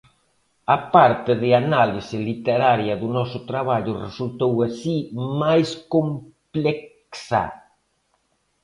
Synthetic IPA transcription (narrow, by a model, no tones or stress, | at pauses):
ɐpaɾt̪ɪðɪanalisɪlit̪eɾaɾjɐðʊnɔsʊt̪ɾaβaʎʊresult̪owasimajskomplek | sa̰